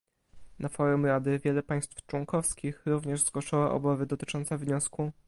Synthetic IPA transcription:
nafɔɾumɾad̪ɘvʲjɛlɛpaj̃st̪ft͡ʂwɔŋkɔfskʲixɾuvɲɛʐzɡwɔʂɔwaʔɔ̰bavɘd̪ɔt̪ɘ̥t͡ʂɔnt̪savɲɔsku

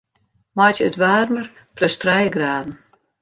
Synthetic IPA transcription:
mɔjtətʋaːrnər | pløstrɛjɡraːdn̩

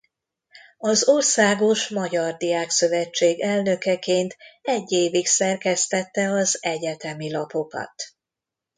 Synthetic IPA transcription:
ɒzo̞rsaːɡo̞ʃmɒɟɒrd̪ijaːksø̞vɛt͡ʃːeːɡɛlnø̞kɛkeːnt̪ɛɟːeːviksɛrkɛst̪ɛt̪ːɛɒzɛɟɛt̪ɛmilɒpo̞kɒ̰t̪

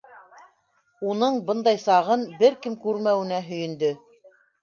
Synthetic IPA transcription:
unɤɴbɤ̆nd̪ɑjsɑʁɤnbɘɾkɘmkʉɾmæwɘ̆næɦɵ̆jɵ̆nd̪ɵ

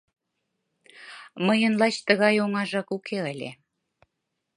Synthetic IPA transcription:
məjə̆nlɑt͡ɕt̪əɣɑjoŋɑʒɑkukʰeəlʲḛ

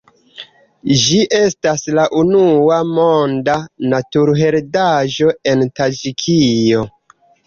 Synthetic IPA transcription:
d͡ʒiʔe̞staslaʔunuamondanatuɾɦe̞ɾdaʒo̞e̞ntad͡ʒikʰijo̞

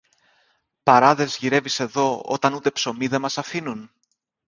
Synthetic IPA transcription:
pɐɾɐðe̞zʝiɾe̞vise̞ðo̞o̞̰t̪ɐnut̪e̞pso̞miðe̞mɐsɐfinun

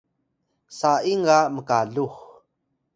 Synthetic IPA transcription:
saiŋaməkaɮux

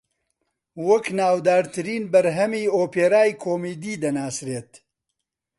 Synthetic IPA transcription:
wɐknaːwd̪aːɾt̪ɨɾiːnbɐɾɦɐmiːoːpeːɾaːjkʰoːmiːd̪iːd̪ɐnaːsɾeːt̪

